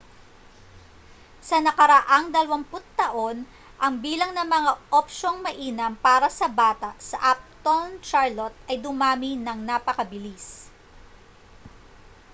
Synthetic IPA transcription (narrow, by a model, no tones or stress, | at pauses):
sɐnɐkɐɾɐʔaŋd̪ɐlɐwɐŋpʊt̪̚ːɐʔo̞n | ʔɐŋbiːlɐŋnɐŋmɐŋaʔopʃoŋmɐʔiːnɐmpaːɾɐsɐbaːt̪ɐʔsɐʔap̚t̪ont͡ʃaɹlot̪̚ɐjd̪ʊmaːminɐŋnapɐkɐbɪlis